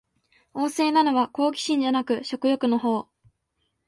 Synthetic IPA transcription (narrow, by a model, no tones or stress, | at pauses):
o̞ːse̞ːnano̞βako̞ːkʲi̥ɕĩɲ̟d͡ʑanakɯ̟ɕo̞kɯ̟jo̞kɯ̟no̞ɦo̞ː